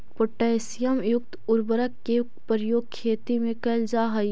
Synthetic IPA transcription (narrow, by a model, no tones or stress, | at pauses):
poʈɛːsɪjəmjʊk̚t̪ʊɾbəɾəkːe | pəɾjoːɡ̚kʰːeːt̪imẽkɐld͡ʒaːɦɐ